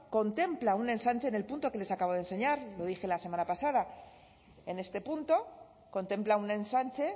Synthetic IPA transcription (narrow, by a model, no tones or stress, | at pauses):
ko̞nt̪e̞mplaune̞nsanʲt͡ʃe̞ne̞lpunt̪o̞ke̞le̞sakaβo̞ð̞e̞nse̞ɲaɾlo̞ðixe̞lase̞manapasað̞a | e̞ne̞st̪e̞punt̪o̞ | ko̞nt̪e̞mplaunẽ̞nsant͡ʃe̞